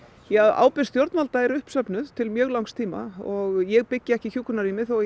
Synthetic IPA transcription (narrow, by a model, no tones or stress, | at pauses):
jɛa̰ːwpɪst̪jowɾt̪nmalt̪aɛɾʏhpsœpnʏð̥t̪ʰɪlmjœːɣlawŋst̪ʰiːma̰ɔɣjɛɣpɪcːɪɛhcɪçuːkʏnaɾiːmɪθɔ